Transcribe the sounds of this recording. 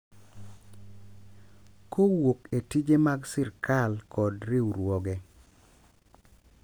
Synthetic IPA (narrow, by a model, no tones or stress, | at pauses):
kowoketid͡ʒemaɡsɪɾkalkʰɔdɾɪuɾwɔɡɛ